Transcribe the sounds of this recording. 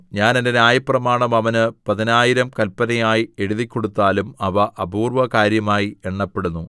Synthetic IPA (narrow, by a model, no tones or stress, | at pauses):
ɲaːnendenaːjɐprɐmaːɳɐmɐʋɐnɨpɐðinaːjiɾɐmkɐlpːɐnɐjaːjie̞ɻuðikʲːo̞ɽut̪ːaːlumɐʋɐʔɐbʱuːrʋɐkaːɾjɐmaːjieɳːɐpːe̞ɽunːu